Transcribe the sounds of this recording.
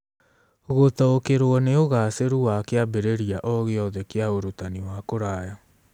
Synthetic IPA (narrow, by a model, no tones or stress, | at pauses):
ɣotaokeɾwɔneoɣaːseɾuwakeabeɾeɾiaʔɔɣeɔðɛkeaoɾotaniwakoɾaːja